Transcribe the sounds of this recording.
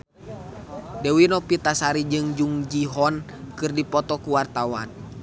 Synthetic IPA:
dɛwinɔpit̪asaɾid͡ʒɨŋd͡ʒuŋd͡ʒiɦɔn | kɨrdipɔt̪ɔkuwart̪awa̰n

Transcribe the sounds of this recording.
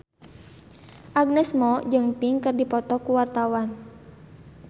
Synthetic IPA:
ʔaɡ̚nɛsmɔd͡ʒɨŋpiŋkɨrdipɔt̪ɔkuwart̪awan

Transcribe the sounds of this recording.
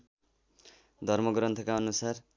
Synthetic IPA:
d̪ʱʌrmʌɡɾʌnt̪ʰʌkaʌnusar

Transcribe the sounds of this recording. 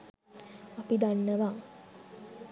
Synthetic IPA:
apid̪anːəʋa

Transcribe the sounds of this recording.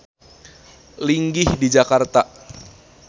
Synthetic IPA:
liŋɡɪhdid͡ʒakart̪a

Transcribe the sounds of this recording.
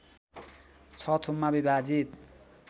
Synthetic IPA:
t͡sʰʌt̪ʰumːabibad͡zit̪̚

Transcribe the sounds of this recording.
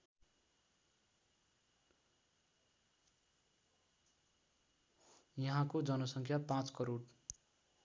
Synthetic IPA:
jʌɦãkod͡zʌnʌsʌŋkʰjapãt͡skʌɾoɽ

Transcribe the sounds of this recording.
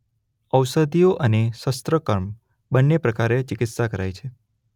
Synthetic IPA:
əwsəd̪ʱijoʔənesəst̪ɾəkəɾm | bənːepɾəkaɾet͡ʃɪkɪt̪sakəɾajt͡ʃʰe

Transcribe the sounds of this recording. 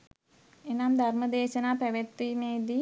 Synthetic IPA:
enamd̪ʱarməd̪eːʃənaːpæʋet̪ːimeːd̪i

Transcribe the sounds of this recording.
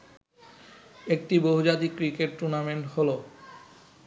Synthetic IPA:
ek̚ʈiboɦud͡ʑat̪ikːɾikeʈːuɾnameɳʈholo

